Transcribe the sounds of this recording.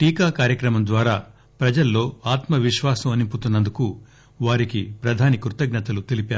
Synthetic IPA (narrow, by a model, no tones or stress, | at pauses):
ʈiːkaːkaːɾjɐkɾɐmɐmd̪ʋaːɾaː | pɾɐd͡ʒɐlːo̞ːaːt̪mɐʋiʃʋaːsɐmɐnimput̪unːɐnd̪uku | ʋaːɾikipɾɐd̪ʱaːnikɾut̪ɐɡnɐt̪ɐlut̪ilipjaːɾu